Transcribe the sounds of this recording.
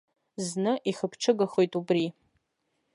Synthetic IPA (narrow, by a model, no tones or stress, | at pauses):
znɨʔiχəpʰʈ͡ʂʰɨɡaχojtʼubri